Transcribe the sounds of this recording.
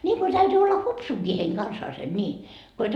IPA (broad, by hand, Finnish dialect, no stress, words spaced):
nʲiːŋko tæytyː olːɑ hupsuŋkiː heiŋ kɑnsɑːsen nʲiː ko et